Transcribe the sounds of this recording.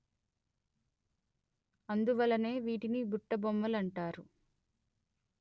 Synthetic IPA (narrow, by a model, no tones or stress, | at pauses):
ɐnd̪uʋɐlːɐne̞ːʋiːʈinibuʈːɐbɔmːɐlɐɳʈaːɾu